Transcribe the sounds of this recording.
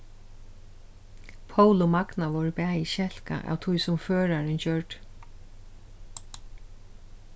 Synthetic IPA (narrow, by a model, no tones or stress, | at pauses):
pʰowlʊmaknaʋowɹpæːiʃɛl̥ka̰ʔa̰wt̪ʰʊjsʊmføːɹaɹɪnt͡ɕœɹʈ